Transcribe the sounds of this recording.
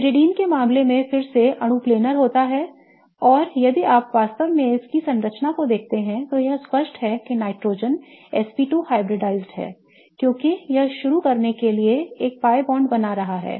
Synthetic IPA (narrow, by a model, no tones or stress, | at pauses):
ɾɪɖiːnkemãːmlemẽfɪɾseʔɐɽ̃ũpleːnəɾɦoːt̪aɦɛː | ɔːɾjɐd̪iaːpʋaːst̪əʋmẽɪskisɐ̃nɾət͡ʃnakod̪eːk̚ʰt̪eɦɛ̃t̪ojɐɦspəʃʈɦɛkenaːɪʈɾoːd͡ʒənɛspiːʈuːhaːɪbɾɪɖaːɪzɖɦɛ̰ː | kjõːkijɐɦʃʊɾukɐɾnekelieeːk̚paːjbɔ̃ːɳɖbɐnaɾɐɦaɦɛ̰ː